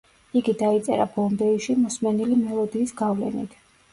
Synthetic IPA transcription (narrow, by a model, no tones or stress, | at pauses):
iɡid̪ait̪sʼɛɾabɔmbɛiʃimɔsmɛnilimɛlˠɔd̪iːsɡavlɛ̰nḭt̪ʰ